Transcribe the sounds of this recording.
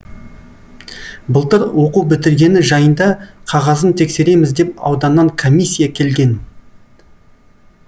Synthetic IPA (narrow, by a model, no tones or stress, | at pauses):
bəlˠt̪əɾwo̞quwbɪt̪ɪɾɡʲe̞nɪʒɑjənd̪ɑqʰɑʁɑzənt̪ʰe̞kse̞ɾe̞mɪzd̪e̞p̚ɑ̰wd̪ɑnːɑŋkʰo̞mʲijsʲːijakʲʰe̞lɡʲe̞n